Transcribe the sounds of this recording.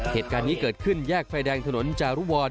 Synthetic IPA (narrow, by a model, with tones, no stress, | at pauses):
heː˨˩t̪̚kaː˧nːiː˦˥kɤː˨˩t̪̚kʰɯ˥˩njɛː˥˩k̚faː˧jdɛː˧ŋt̪ʰa˧no˩˦nt͡ɕaː˨˩ɾu˦˥˩wɔː˧n